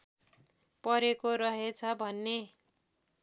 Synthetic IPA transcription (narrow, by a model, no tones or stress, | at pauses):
pʌɾekoɾʌɦet͡sʰʌbʱʌnːe